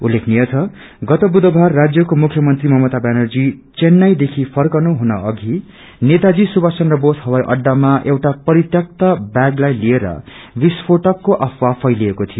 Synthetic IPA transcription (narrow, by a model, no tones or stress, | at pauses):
ulːekʰnijʌt͡sʰʌ | ɡʌt̪ʌbud̪ʌbʱarːad͡zjʌkomukʰjʌmʌnt̪rimʌmʌt̪abanʌrd͡zit͡senːajd̪ekʰipʰʌrkʌnuɦunʌʌɡʱi | net̪ad͡zisubasʌnrʌbosɦʌwajʔʌ̰ɖːamaʔewʈapʌɾit̪jʌk̚t̪abaɡlajlieɾʌ̰ | bispʰoʈʌkːoʔʌfʰwapʰʌjliekot̪ʰijo